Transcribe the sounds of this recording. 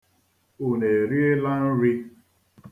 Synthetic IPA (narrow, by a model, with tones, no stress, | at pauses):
u˨ne˨ɾi˦e˦la˦n̩˦ɾi˦